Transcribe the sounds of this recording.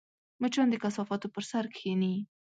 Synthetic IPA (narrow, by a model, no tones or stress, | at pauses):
mət͡ʃɑnd̪əkasɑfɑt̪opəɾsaɾkʰeni